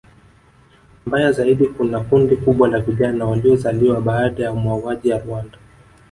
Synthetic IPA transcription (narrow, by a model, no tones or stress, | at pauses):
mbajazaiɗikunakundikuɓwalaviʄanawaliɔzaliwaɓaːɗajaumwauwaʄijaɾuanda